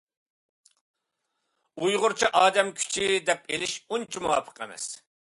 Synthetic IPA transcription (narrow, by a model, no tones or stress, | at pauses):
ujʁʊɾt͡ʃʰiʔɑːd̪ɛmkʲʰy̥t͡ʃʰid̪ɛp̚elɪʃunt͡ʃʰimuwɑ̰pʰə̥qɛmɛ̰s